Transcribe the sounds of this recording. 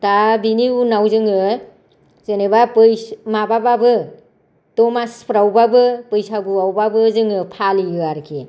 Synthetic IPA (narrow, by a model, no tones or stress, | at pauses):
tabiniunawzɯŋɯ | zɯnebapɯjsmabababɯ | tɔmaspʰɾawbabɯpɯjsaɡuawbabɯzɯŋɯpʰaliɡɯaɾkʰi